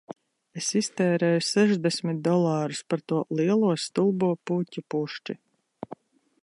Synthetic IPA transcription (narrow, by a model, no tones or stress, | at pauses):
esist̪ɛːɾɛːjusɛʒd̪ɛsʲmit̪̚d̪ɔlˠaːɾuspaɾt̪uɔlˠiɛlˠuɔst̪ulˠbuɔpuːcʲupuʃt͡ʃi